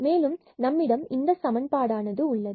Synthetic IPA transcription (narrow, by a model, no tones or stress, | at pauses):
meːlɯm | nɐmːɪɽɐmɪnd̪ɐsɐmɐnpaːɽaːnɐðɯʊɭːɐðɯ